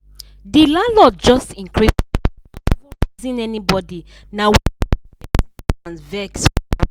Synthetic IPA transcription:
dilalɔd͡ʒɔstĩŋkɹi | fɔizĩnɛnibɔdi | naw | nvɛks

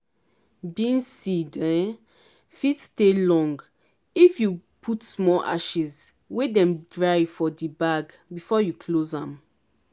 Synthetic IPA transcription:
binsidɛ̃ | fitstelɔ̃ŋɡ | ifjupʰutsmɔʔa̰ʃiz | wedɛ̃mdɹajfɔdibaɡ | bifɔjukʰlozãm

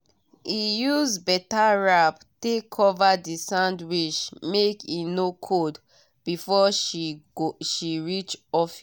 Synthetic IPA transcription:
ijuzbɛtaɹap | tekʰɔvadisãʊ̃ndwiʃmekinokʰod | b̥ifɔ | ʃiɹit͡ʃɔfi

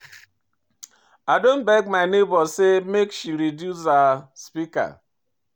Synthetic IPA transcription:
adon̩bɛɡ̚maɪnebɔsemekʃiɾidjus̬aspika̰

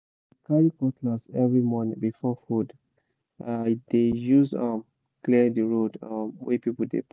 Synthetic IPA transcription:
kʰalikɔtlazɛvɹimɔnĩbifɔfud | adejuzʌm | klidəɹodʌmwɛpipəl̩dḛp

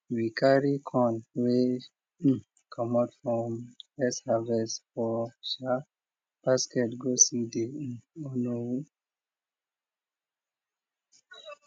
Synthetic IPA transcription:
vikʰaɹikʰɔ̃nwe | kʰɔmatfɹɔ̃mɛshavɛsfɔʃa | paskɛtɡosideɔnou

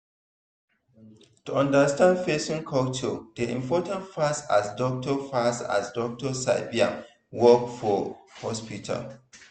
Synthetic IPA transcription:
tuɔ̃ndəstãndfesĩŋkʰalt͡ʃɔd̥iḭ̃mpʰɔtãntfasa̰sdɔk̚tɔfasta̰sdɔk̚tɔsa̰ɪbiã̰n | wɔk̚fɔhɔspitʰa̰l

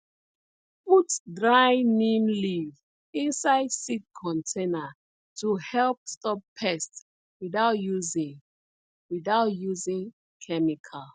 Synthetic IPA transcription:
futdɹaɪnĩmliv | ĩnsaɪdsit̚kʰɔ̃ntʰẽna | tuhɛlp̚stɔp̚pʰːɛst | wiðaʊtjuzi | wiðaʊtjuzĩŋ | kʰɛmikʰal

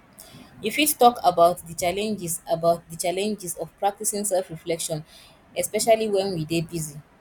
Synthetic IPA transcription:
ifittɔkabaʊt̚ðət͡ʃalɛ̃nd͡ʒisabaʊt̚dət͡ʃalɛ̃nd͡ʒisɔfpɹak̚tisĩŋsɛlfɹiflɛkʃɔ̃n | ɛspɛʃaliwɛ̃nwidebizi

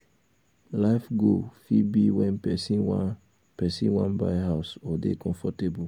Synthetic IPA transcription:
laɪfɡofibiwɛ̃nɛsi | pɛsḭ̃nwãnbaɪhaʊsɔdḛkɔ̃ɱfɔtebu

